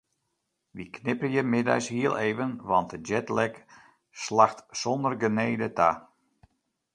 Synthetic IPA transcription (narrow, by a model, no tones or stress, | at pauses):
ʋiknɪpəjəmɪda̰jshiəlˠʔeːvənʋɑnt̚əd͡ʒɛtlɛk | slaxtsɔndərɡəneːdətʰa